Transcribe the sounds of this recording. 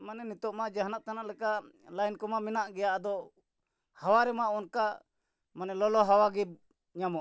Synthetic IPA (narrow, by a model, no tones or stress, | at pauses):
manɛnit̪ɔʔmaʔd͡ʒaɦnaʔt̪anaʔlɛka | lajnkɔmaminaʔɡɛjaʔd̪ɔ | hawaɾɛmaʔɔnka | manɛlɔlɔɦawaɡib̚ | ɲamɔʔ